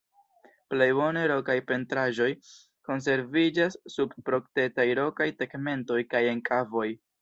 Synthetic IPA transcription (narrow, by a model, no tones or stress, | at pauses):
ple̞jbo̞ne̞ɾo̞kajpe̞ntɾaʒo̞j | ko̞ns̬e̞ɾvid͡ʒasːub̚pɾo̞kte̞tajɾo̞kajtekme̞nto̞jkaje̞ŋkʰavo̞j